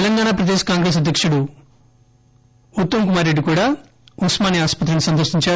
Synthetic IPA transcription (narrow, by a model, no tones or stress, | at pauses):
ɛlɐŋɡaːnaːpɾɐd̪eskaːŋɡɾe̞ːs̬ɐd̪ʱjɐkʂuɽu | ut̪ːɐmkumaːɾːe̞ɖːikuːɽaː | uksmaːniaːspɐt̪ɾɐnisɐnt̪ɐɾʃiɲt͡ʃaː